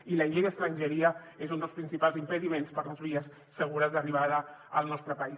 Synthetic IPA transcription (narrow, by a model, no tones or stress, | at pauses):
iləiʎeɾəkst̪ɾəɲʲʒəɾiə | ezund̪əlˠspɾinsipalˠzimpəðimenspəɾləzβiəsːəɣ̞uɾəzðəriβ̞aðəəlˠnɔst̪ɾəpəi